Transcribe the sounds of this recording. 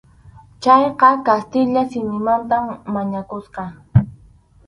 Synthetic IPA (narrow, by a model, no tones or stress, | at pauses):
t͡ʃɑjqɑkast̪ɪʎasɪmɪmant̪amːaɲakʊsqɑ